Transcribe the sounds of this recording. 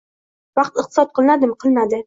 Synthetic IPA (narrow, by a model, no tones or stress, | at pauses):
wɑqt̪ɨqt̪ɨ̥sɑt̪̚qʰɨlˠnad̪ɪmqʰɨlmad̪ɪ